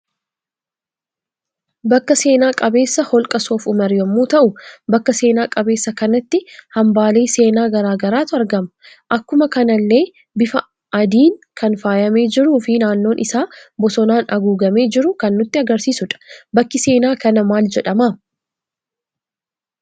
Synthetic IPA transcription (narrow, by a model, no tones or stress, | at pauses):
bɐkːɐse̞ːnaːkʼɐbe̞ːsːɐhɔlkʼɐsoːfʊmɐɾjɐmːuːt̪ɐʔʊbɐkːɐse̞ːnaːkʼɐbe̞ːsːɐkɐnɐt̪ːɪhɐmbaːle̞ːse̞ːnaːɡɐɾaːɡɐɾaːt̪ʊɐɾɡɐmɐ | ʔɐkːʊmɐkɐnɐlːe̞ː | bɪfɐ | ʔɐd̪iːŋkʰɐnfaːjɐme̞ːd͡ʒɪɾuːfɪnaːnːo̞ːnʔɪsaːbɔsɔnaːnɐɡuːɡɐme̞ːd͡ʒɪɾʊkɐnːʊt̪ːɪɐɡɐɾsiːsʊᶑɐ̥bɐkːɪse̞ːnaːkɐnɐmaːld͡ʒɛᶑɐma